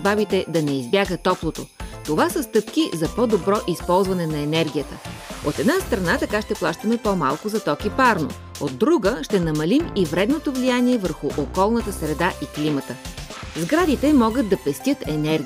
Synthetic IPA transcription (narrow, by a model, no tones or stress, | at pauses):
bavit̪ɛd̪ɐnɛizbʲjaɡət̪ɔplˠot̪ot̪ovasəst̪ɤpkizɐpɔd̪obɾɔʔispɔlˠzvɐnɛnɐɛnɛɾɡʲijət̪əot̪ɛd̪nast̪ɾɐnat̪ɐkaʃt̪ɛplˠaʃt̪əmɛpomalˠkʊzɐt̪ɔkipaɾno̰ | od̪̚ːɾuɡəʃt̪ɛnɐmɐlimivɾɛd̪not̪ovlijaniɛvəɾxuʔokɔlˠnət̪əsɾɛd̪aʔiklimət̪əzɡɾad̪it̪ɛmɔɡəd̪̚d̪ɐpɛst̪ʲjət̪ɛnɛɾ